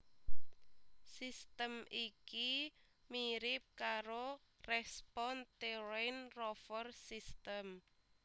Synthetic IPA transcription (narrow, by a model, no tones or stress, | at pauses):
sist̪əmiki | miɾɪp̚kaɾorɛspɔnt̪eɾenrɔfərsist̪əm